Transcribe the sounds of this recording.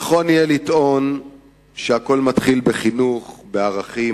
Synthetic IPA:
χo̞njelit̪ʔo̞n | ʃeako̞lmat̪χilbeχinuχbeaʁaχi

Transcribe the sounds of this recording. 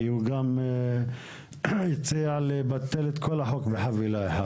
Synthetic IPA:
juɡam | it͡sealebat̪ːelet̪kʰolaħokbeħavilaeħa

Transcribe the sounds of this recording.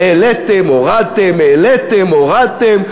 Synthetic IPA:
elet̪emoʁat̪emelet̪emoʁat̪em

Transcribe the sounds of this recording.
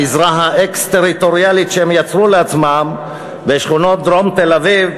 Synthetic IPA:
izʁaɦaʔekst̪eʁit̪o̞ʁialit̪ʃeemjat͡sʁuleat͡smam | veʃχuno̞t̪̚d̪ʁomt̪elaviv

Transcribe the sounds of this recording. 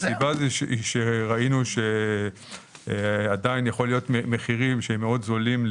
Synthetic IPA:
sibaziʃiʃeʁainuʃe | adainjaχo̞lijo̞t̪memeχiʁimʃeemːeo̞d̪zolim

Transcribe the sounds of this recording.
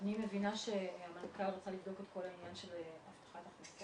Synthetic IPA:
anime̞vinaʃe̞hamankalʁot͡salivd̪o̞ket̪ko̞lainjanʃelaft̪ḁχataχnisa

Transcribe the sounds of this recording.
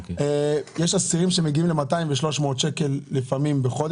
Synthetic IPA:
ejeʃasiʁimʃemeɡiimlemataĩɱveʃlo̞ʃmo̞ːt̪ʃekelːifamimbeχo̞d̪

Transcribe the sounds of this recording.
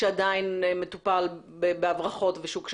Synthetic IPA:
eadainmetupal | bebeavʁaχo̞tveʃukʃ

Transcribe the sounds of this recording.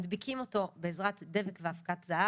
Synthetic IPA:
dbikʰimo̞to̞beːzʁatde̞vekveafkatzaa

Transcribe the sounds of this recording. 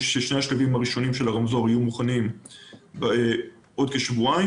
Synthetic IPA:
ʃeʃne̞jhaʃlavimaʁiʃo̞nimʃe̞laʁamzoʁajumuχanimb | ʔo̞dkeʃvua

